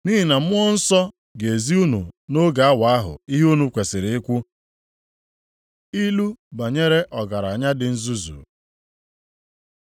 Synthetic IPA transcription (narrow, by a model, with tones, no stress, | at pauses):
niː˦i˨na˨m̩˦ʊ˦ɔ˦n̩˦sɔ˦ | ɡe˨e˨zi˦u˦nṵ˨no˦ɡa˨a˦wa˨˦a˦ɦʊ̰˨i˦ɦu˦nu˨kʷe˨sɪ˨ɾe˨ɪ˦kʷʊ˦ | i˦lu˦ba˨ɲe˦ɾe˦ʔɔ˨ɡa˨ɾa˨ɲa˦dɪ˨n̩˦zu˦zṵ˨